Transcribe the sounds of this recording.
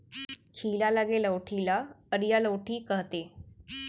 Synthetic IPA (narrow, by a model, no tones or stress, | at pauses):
kʰiːlalaɡeləwʈʰilaəɾjaləwʈʰiːkəɦt̪e